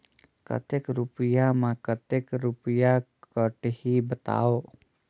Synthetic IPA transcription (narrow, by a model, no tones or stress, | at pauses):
kə̰t̪ekɾʊpəjamãkət̪ekɾʊpəjakəʈhibət̪a̰ːoː